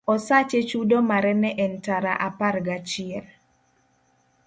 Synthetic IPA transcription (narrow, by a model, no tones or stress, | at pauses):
ɔsat͡ʃet͡ʃudomaɾɛnɛʔɛntaɾaʔaparɡat͡ʃɪɛl